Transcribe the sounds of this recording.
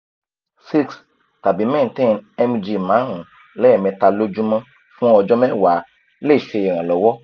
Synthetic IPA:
si˦ks | ta˨bi˨˦mɛ̃˦˨˦tɛ̃˦˨nɛ˧m˧d͡ʒi˧˨mãː˨˦ɾ̃ũ˨ | lɛ˨˦ɛ˦˨mɛ̃˧ta˧lo˦d͡ʒũ˦mã˦ | fũ˦ɔ˧d͡ʒɔ˦mɛ̃˦˨wa˨˦ | le˦˨ʃe˧ɛ˨ɾ̃ã˨lɔ˨wɔ˦

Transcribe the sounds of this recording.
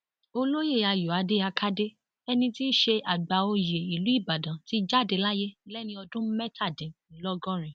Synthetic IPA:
o˧lo˦je˦˨a˧ju˨a˨˧de˦a˧kʰa˦de˦ | ɛ˧nĩ˧ti˦ʃe˧ʔa˨ɡ͡ba˨o˧je˨i˨lu˨˦i˦˨ba˨dã˨ti˦d͡ʒa˦˨de˧la˦je˦lɛ˦nĩ˧ɔ˧dũ˦mɛ˦tʰa˦˨dɛ̃˨˦lɔ˦ɡɔ̃˦ɾ̃ĩ˨

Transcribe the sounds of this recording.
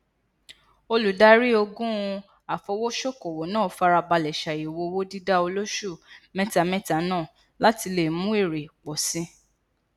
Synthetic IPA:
o˧lu˨˦da˦ɾi˦o˧ɡũ˦˧ | a˨fɔ˧wo˦ʃo˦ko˨wo˨˦nãː˦˨˦fa˧ɾa˧ba˧lɛ˨ʃa˨i˨wo˧wo˦di˦da˦o˧lo˦ʃu˦˨mɛ̃˦ta˧mɛ̃˦ta˨˦nãː˦˨ | la˦ti˧le˨mũ˦i˦˨ɾe˨k͡pɔ˨sĩ˦

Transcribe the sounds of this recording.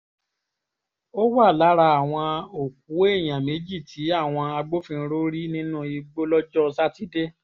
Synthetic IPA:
o˦wa˦˨la˨˦ɾa˧a˨w̃ɔ̃˧o˨k̚u˨˦e˦˨j̃ã˨me˨˦d͡ʒi˦˨tʰi˨˦a˦˨w̃ɔ̃˧a˧ɡ͡bo˦fĩ˧ɾo˦ɾi˦nĩ˦nũ˦i˧ɡ͡bo˦lɔ˦d͡ʒɔ˦˧sa˦ti˦de˦

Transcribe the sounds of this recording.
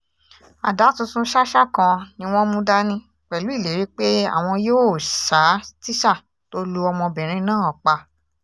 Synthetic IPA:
a˨da˨˦tũ˧tũ˧˦ʃa˦ʃa˦˨kã˧nĩ˧w̃ɔ̃˦mũ˦da˦nĩ˦ | k͡pɛ˨lu˨˦i˦˨le˨˦ɾi˨˦k͡pe˦a̰˦˨w̃ɔ̃˧joː˦˨ʃa˨˦ti˦ʃa˦˨ | to˦lu˧ɔ˧mɔ̃˧bɛ̃˨ɾ̃ĩ˧˦nãː˦˨ɔ˨k͡pa˧

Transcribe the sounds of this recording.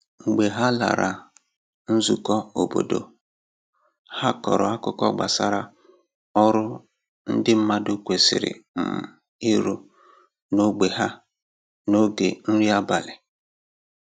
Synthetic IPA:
ŋ͡m̩˨ɡ͡be˨ɦa˦la̰˨ɾa˨ | n̩˦zu˨kɔ˦o˨bo̰˨do̰˨ | ha˦kɔ̰˨ɾɔ˨a˦kʊ˦kɔ̰˦ɡ͡ba̰˨sa˦ɾa˦ | ɔ˦ɾʊ˦ | n̩˦dɪ˦m̩˦ma˦do˦kʷe˨sɪ̰˨ɾɪ̰˨m̩˨m̩˨ | i˦ɾo˦ | no˦ɡ͡be˨ɦa˦ | no˦ɡe˨n̩˦ɾi˦a˦ba˨lɪ˨

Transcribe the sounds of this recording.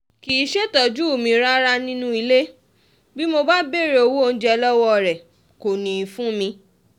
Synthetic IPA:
ki˨˦ʃe˦tɔ˨d͡ʒu˦˨mĩ˨˧ɾa˦ɾa˦nĩ˦nũ˦i˧le˦ | bi˦mo˧ba˦be˦˨ɾe˧o˧wo˦o˦˧n̩˦d͡ʒɛ˧lɔ˦wɔ˦˨ɾɛ˨ | ko˨nĩ˨fũ˦mĩ˧

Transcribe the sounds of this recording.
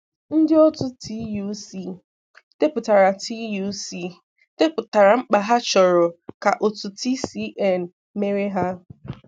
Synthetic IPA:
n̩˦dɪ˦ɔ˦tʊ˦tʰi˦ju˦si˦˨ | te˦pʊ˨ta˨ɾa˨tʰi˦ju˦si˦˨ | te˦pʊ˨ta˨ɾa˨ŋ͡m̩˦k͡pa˨ɦa˦t͡ʃɔ˨ɾɔ˨ka˨ʔo˨tʊ˨ti˦si˦ʔɛ˦˨n̩˨ | me˦ɾe˦ɦa˦

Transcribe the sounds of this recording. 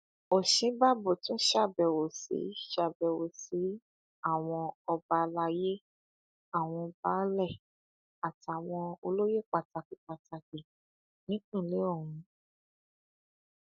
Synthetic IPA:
o˨ʃẽ˨˦ba˦bo˨tũ˦ʃa˦˨bɛ˨wo˨sḛ˨˦ʃa˦˨bɛ˨wo˨si˨˦ | a˦˨w̃ɔ̃˧ɔ˧ba˧la˧je˦ | a˦˨w̃ɔ̃˧ba˦lɛ˦˨ | a˨ta˨w̃ɔ̃˧o˧lo˦je˦˨k͡pa˨ta˨˧ki˨k͡pa˨ta˧ki˨ | nĩ˦k͡pĩ˦˨le˨˦o˦˨ɾũ˨˦

